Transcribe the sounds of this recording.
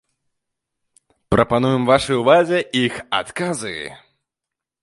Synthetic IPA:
pɾʔɐpanujɛmvaʂɨjuvazʲɛixa̰t̪kazɨ̰

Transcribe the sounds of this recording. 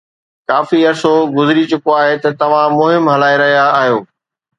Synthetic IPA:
kaːfiɐɾsoɡʊzɪɾit͡ɕʊkoaːɦet̪ɐt̪ɐʋ̤ãmʊɦɪmɦɐlaːiɾɐɦijaːɦijoː

